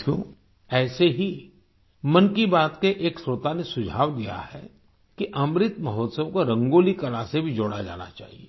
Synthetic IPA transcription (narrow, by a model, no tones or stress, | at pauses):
õ̰ː | ɛːseɦi | mɐnkibaːt̪keʔeːksɾoːt̪anesʊd͡ʒʱa̰ːʋd̪ija̰hɛ̰ | kiʔɐmɾɪt̪mɐɦɔːt̪səwkoɾɐ̃ŋɡoːlikɐlasebʱid͡ʒoːɽad͡ʒa̰ːna̰t͡ʃa̰ːɦieː